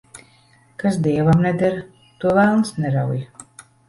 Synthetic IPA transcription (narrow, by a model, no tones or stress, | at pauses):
kasd̪iɛvamnɛd̪ɛɾ | t̪uɔvælˠnsnɛɾawja